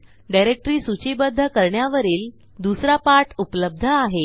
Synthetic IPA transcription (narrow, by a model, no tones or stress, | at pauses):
ɖajɾek̚ʈɾiːsut͡ɕibəd̪ʱːəkəɾɳjaʋəɾiːl | d̪usɾapaɾʈupləb̚d̪ʱəaɦe